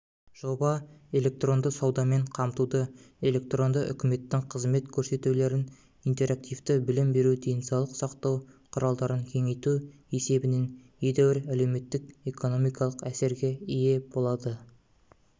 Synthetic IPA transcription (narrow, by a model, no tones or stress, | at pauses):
ʒ̥o̞bɑe̞le̞k̚t̪ro̞nd̪əsɑwd̪ɑme̞ɴqʰɑmt̪ud̪əe̞le̞k̚t̪ro̞nd̪əʔʏ̰kʲɪme̞t̪ːɪŋqʰəzme̞t̪kʲʰɵɾse̞t̪ule̞ɾɪn | ijnt̪e̞ɾak̚t̪ijft̪əbɪlɪmbe̞ɾud̪e̞jnsɑwlˠəqsɑqt̪ɑwqʰʊɾɑlˠd̪ɑɾəŋkʲʰe̞ŋe̞jt̪u | e̞se̞bɪne̞njed̪ewɪɾæle̞wme̞t̪ːɪke̞ko̞no̞mijkɑlˠəqæse̞ɾɡʲe̞ije̞bo̞lˠɑd̪ə